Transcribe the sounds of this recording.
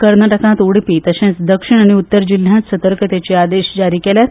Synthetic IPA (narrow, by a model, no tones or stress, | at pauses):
kəɾnaʈəkãt̪uɽpiːt̪əɕẽt͡sd̪əkʂiɳ̃aɽ̃iut̪ːəɾd͡ʑil̤jãt̪sət̪əɾkət̪et͡ɕead̪eɕd͡ʑaɾiːkeljat̪